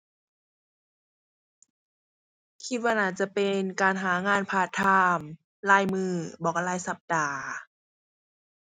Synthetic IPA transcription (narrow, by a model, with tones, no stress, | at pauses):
kʰi˧t̪̚waː˧naː˧˩t͡ɕa˧˩pe˨nkaː˨nɦaː˩˦ŋaː˧˥˨npʰaː˧˩t̪ʰːaː˧m | laː˧˥˩jmɯː˧˩bɔː˨˩ka˧˩laː˧˩jsa˧˦p̚daː˨˩